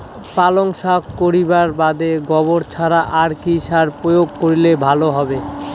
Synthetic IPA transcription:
paloŋʃakkːoɾibaɾbad̪eɡɔboɾt͡ɕʰaɾaʔaɾkiʃaɾpɾojoɡ̚koɾilebʱaloɦɔbe

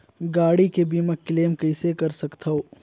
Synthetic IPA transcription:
ɡaːɽikebiːməkːleːmkɐɪsekɐɾsɐkt̪ʰaɦoː

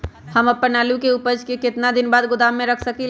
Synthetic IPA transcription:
həməpːənalukeupəd͡ʒkeket̪nad̪inbad̪ɡʊd̪amːeɾəkʰsəki

